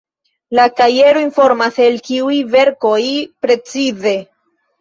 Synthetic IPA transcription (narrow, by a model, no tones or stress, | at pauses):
lataje̞ɾoinfo̞ɾmase̞lkiujve̞ɾko̞jpɾe̞t͡size̞